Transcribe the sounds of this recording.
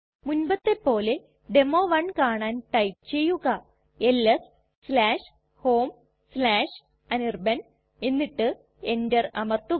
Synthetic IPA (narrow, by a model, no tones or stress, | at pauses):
munbɐt̪ːe̞pːo̞ːle | ɖe̞mo̞ːʋɐɳkaːɳaːnʈɐjp̚t͡ɕe̞jːuɣɐ | elːɐs | slaːʂ | ho̞ːm | slaːʂ | ɐnirbɐn | enːiʈːɨ | e̞ndɐrɐmɐrt̪u